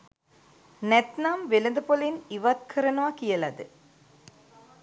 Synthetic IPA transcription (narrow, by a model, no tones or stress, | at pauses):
nɛt̪namʋelɐnd̪ɐpoliniʋat̪̚kʰɐɾɐnɐʋakijɐlɐd̪ɨ